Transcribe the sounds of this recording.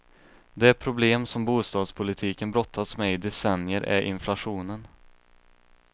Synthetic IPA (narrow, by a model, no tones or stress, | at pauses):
d̪ɛæɾpʰɾʊbleːmsɔmbuːst̪ɑːd̪spʰʊlɪt̪ʰiːkənbɾɔt̪ʰːasmɛɪd̪ɛsɛnjəɾʔæ̰ɾʔɪ̰nflaɧuːnən